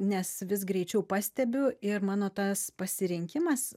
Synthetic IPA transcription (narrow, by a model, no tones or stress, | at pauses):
nʲɛsʋʲɪs̬ɡɾʲɛɪt͡ʃʲɛʊpɑːsʲt̪ʲɛbʲʊɪrmɑːnoːt̪ɐspɐsʲɪɾʲɪŋʲkʲɪmɐs